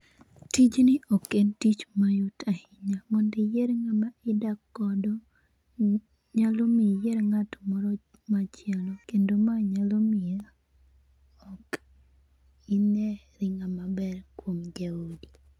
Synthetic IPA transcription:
tid͡ʒnɪʔokentit͡ʃmajutʰahɪɲamɔndɪjeɾŋamaɪdakːɔdɔ | ɲalomijeɾŋatɔmɔɾɔ | mat͡ʃjalɔkendomaɲalomɪa | ɔk | inɛ | ɾɪŋamabɛrkwomd͡ʒaodi

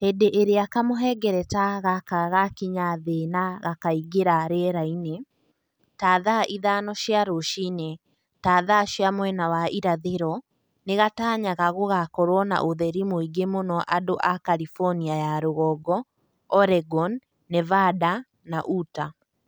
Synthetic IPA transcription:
hedeʔeɾeakamoɦɛɡɛɾɛtaɣakaɣakiɲaðenaɣakaiɡeɾaɾɛɾaine | taðaʔiðanɔʃjaɾoʃine | taːðaʃjamwɛnawaʔiɾaðeɾɔ | neɣataːɲaɣaɣoɣakɔɾwɔna̰ʔoðɛɾimoiɡemonɔʔadoʔakaɾifɔniajaɾoɣɔɡɔ | ɔɾɛɡɔnː | ɛvada | naʔuta

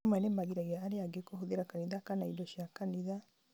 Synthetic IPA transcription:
mɛnemaɣiɾaɣeaːɾeaɡekohoðeɾakaniðakanaidɔɕiakaniða

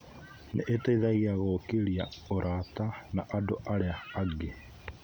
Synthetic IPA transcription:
nʔḛʔeteiðaiɣaɣokeɾia̰oɾʔatanaʔadoʔaɾeaːɡe

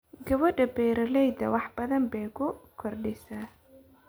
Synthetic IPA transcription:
ɡɐβɔɖɐbɛːɾɐlɛjd̪ɐ̰wɑħbɐðɐmbɛːkʰʊkʰɔrɖɪsa

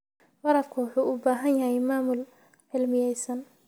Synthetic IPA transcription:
wɑɾɐfkʰʊwɑħuːʔʊbaːɦɐnjɐɦɛjmaːmʊl | ʕɪlmɪjɛjsɐn

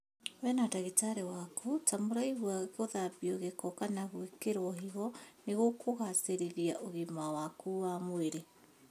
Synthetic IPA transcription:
wɛnataɣetaɾewakutamoɾaiɣwaɣoðabiɔɣekɔkanaɣwekeɾwɔɦiɣɔneɣokʰoɣaseɾeðiaʔoɣimawakuamweɾe

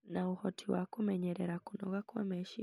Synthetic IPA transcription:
nauhɔtʰiwakuumɛɲɛɾɛɾakunɔ̰ɡakuwa̰mɛʃi

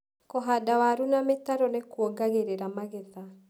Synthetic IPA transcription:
kɔɦadawaɾunametaɾɔnekwɔɡaɣeɾeɾamaɣɛða

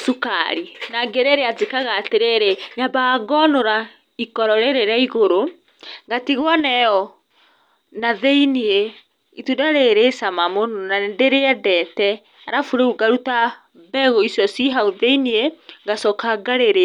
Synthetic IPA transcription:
sukaɾinaɡeɾeɾeazekaɣaːteɾeɾeɲabaɡɔnoɾa | ikɔɾɔɾeɾeɾaiɣoɾo | ɡatiɣwɔnɛɔ | naðeinie | itudaɾeɾesamamononandeɾeɛdɛtɛ | aɾafuɾeuɡaɾuta | bɛɣɔisjɔsiɦauðeinieŋɡasɔkaɡaɾeɾe

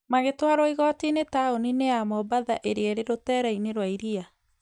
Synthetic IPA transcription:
maɣetwaɾoiɣɔtinetaonineamɔbaða̰ʔeɾeɛɾeɾotɛːɾaineɾwaiɾia

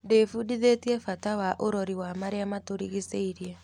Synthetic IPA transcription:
defudiðetiɛfatawaʔoɾɔɾiwamaɾeamatoɾiɣiseiɾiɛ

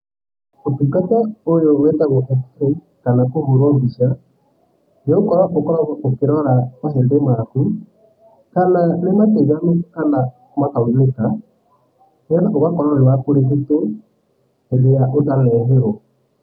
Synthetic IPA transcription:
otukatɛojowɛtaɣoʔafɾe | kanakomoɾɔːmbiʃa | nokɔɾwakokɔɾaokeɾɔɾakas̬endemaɾaku | kananemateɡanokana | makaeleka | nɛtakoβakɔɾɔɾewakoɾekito | endeɾaʔotalɛːnɡeɾɔ

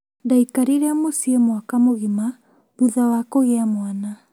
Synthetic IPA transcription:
daikaɾiɾɛamosiemwakamoɣima | βuðawakoɣeamwana

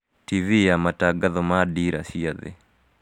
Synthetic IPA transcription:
tivijamataɡaðɔmadiɾa̰siaðḛ

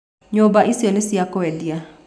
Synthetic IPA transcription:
ɲobaʔisiɔnesiakɔɛdia

